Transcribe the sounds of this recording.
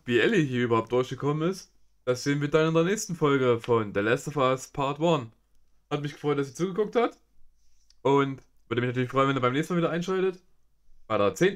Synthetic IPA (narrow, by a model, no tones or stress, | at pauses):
viːʔɛliɦiːɐybɐhaʊp̚d̥ʊɐçɡ̥əkʰɔmənɪst | d̥asz̥eːənviɐdanɪndeːɐnɛːçstn̩fɔlɡəfɔndeɐlɛstəfaspʰaɐtwɔn | hatmɪçɡ̥ə̥fʁ̥ɔʏt̚d̥as̬iːt͡suːɡəkʊk̚that | ʔʊnt | v̥ʏɐdəmɪçnatyːɐlɪçfʁ̥ɔʏənvɛniːɐbaɪmnɛːsnmaːviːdɐʔaɪnʃaɪtət | b̥aɪɾeɐt͡seːn